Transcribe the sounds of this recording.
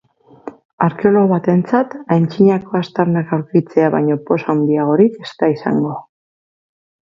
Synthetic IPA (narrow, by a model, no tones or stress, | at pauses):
aɾke̞olo̞ɣoβat̪e̞nt͡sat̪ajnt͡ʃiɲako̞ast̪aɾnakawɾkit͡se̞aβa̰jɲo̞po̞sawnd̪iaɣo̞ɾike̞st̪aisa̰ŋɡo̞